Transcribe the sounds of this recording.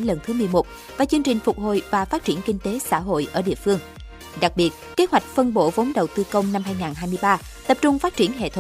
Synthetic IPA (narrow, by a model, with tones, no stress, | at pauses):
lə˧˩nt̪ʰɨ˨˦mɨ˨˩əjmo˨˩t̚ | vaː˨˩t͡ɕɨ˧əŋt͡ɕï˨˩ŋ̟fʊ˨˩k͡p̚ho̰˧˨jvaː˨˩faː˦˥t̚t͡ɕi˧˩ənkï˧ŋ̟t̪e˨˦sa̰ː˧˥ɦo̰˧˨jʔəː˧˩ɗḭ˧˨əfɨ˧əŋ | ɗa˨˩k̚ɓi˨˩ət̚ke˨˦hwa˨˩jk̟̚fə˧nɓo̰˧˩və˨˦ŋ͡mɗə˨˩wt̪ɨ˧kə˧wŋ͡mna˧mhɦaː˧jŋaː˨˩nɦaː˧jmɨ˧əjɓaː˧ | t̪ə˨˩p̚t͡ɕʊ˧ŋ͡mfaː˦˥t̚t͡ɕi˧˩ənɦḛ˧˨t̪ʰ